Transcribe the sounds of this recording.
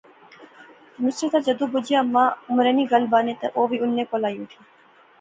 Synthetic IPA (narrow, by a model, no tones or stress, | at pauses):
mɪsɾət̪ad͡ʒɐd̪uːbʊd͡ʒijamːãːʊmɾeːniːɡɐlbaːnẽːt̪ɐʔoːʋiːʊnːẽːkoːlaːjũːʈ̪ʰiː